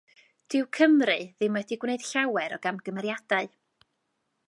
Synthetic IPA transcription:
d̥ɪwkʰəmrɨðɪmwɛdiɡwneɨd̥ɬawɛɾɔɡamɡəmɛɾjadaɨ

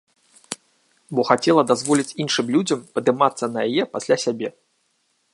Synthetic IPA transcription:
bɔxat͡sʲɛlˠɐd̪azvɔlʲit͡sʲinʂɨmlʲud͡zʲɐmpɐd̪ɨmat̪sːɐnɐjajɛpasʲlʲasʲabʲɛ

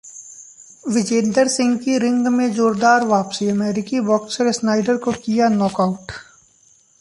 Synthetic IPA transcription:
ʋɪd͡ʒeːnɖəɾsɪ̃ŋɡkiɾɪ̃ŋɡmẽzoːɾd̪aːɾʋaːpsiɐmɛːɾɪkibɔːksəɾsnaːɪɖəɾkokijanɔːkaʊʈ

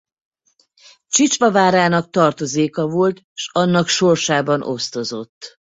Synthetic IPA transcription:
t͡ʃit͡ʃʋɒvaːɾaːnɒk̚t̪ɒrt̪o̞zeːkɒvo̞lt̪ | ʃɒnːɒkʃo̞rʃaːbɒno̞̰st̪o̞zo̞t̪ː

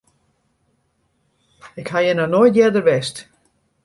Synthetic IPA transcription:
ɪkhajənənɔjdjɛdəvɛst

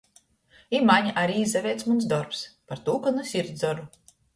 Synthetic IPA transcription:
imaɲʔaɾiizavʲɛːt̪smuns̬d̪ɔɾpspaɾt̪uːkanusʲiɾd̪zɔɾu

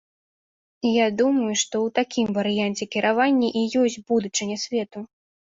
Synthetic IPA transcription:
jad̪umɐjuʂt̪ɔwt̪akʲimvɐɾɨjant͡sʲɛkʲiɾavanʲːɐʔijɔsʲt͡sʲbud̪ut͡ʂɨnʲɐsʲvʲɛt̪u

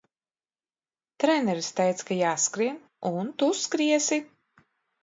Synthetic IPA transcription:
t̪ɾɛnɛɾst̪ɛjt̪skajaːskɾiɛn | unt̪uskɾiɛsi

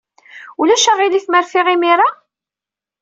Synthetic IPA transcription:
ulæʃəʁiliθməɾfɪʁɪmiɾˤa

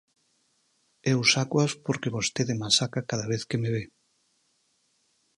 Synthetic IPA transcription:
ewusakwaspoɾkeβost̪eðemasakakaðaβeθkemeβe

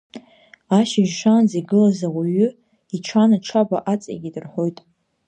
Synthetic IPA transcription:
aʃɪʒʂand͡ziɡɨlazawaɥʏ | iʈ͡ʂʰanaʈ͡ʂʰabaʔat͡sʼa̰ɡʲidɨrħo̞jtʼ

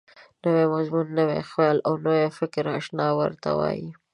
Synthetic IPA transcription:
nəwemazmunːəwḛxwelawnowefɪkɾaʃnɑwə̰ɾt̪a̰wɑ̰ji

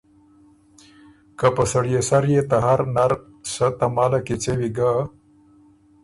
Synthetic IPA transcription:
kapəsɐɽjesaɾjet̪aɦaɾnaɾ | sat̪amaːlakit͡sewiɡa

